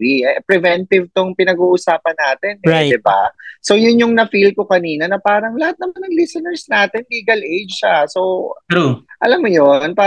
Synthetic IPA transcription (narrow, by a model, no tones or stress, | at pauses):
ipɾɛvɛnt̪ɪvt̪oŋpɪnɐɡuːʔʊsaːpɐnːaːt̪ɛnɛd̪ɪba̰so̞jʊnjʊŋnɐfilko̞kɐniːnɐnɐpaːɾɐŋlɐhat̪̚nɐmanːɐŋlisɛnɛɹsnaːt̪ɛnliːɡɐlʔejd͡ʒʃaso | ʔɐ̰lamːojonpaː